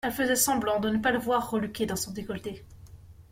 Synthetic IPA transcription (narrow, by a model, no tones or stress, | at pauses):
ɛlfəzɛsɑ̃blɑ̃d̪ənəpaləvwaʁːəlykʲed̪ɑ̃sɔ̃d̪ekɔlt̪e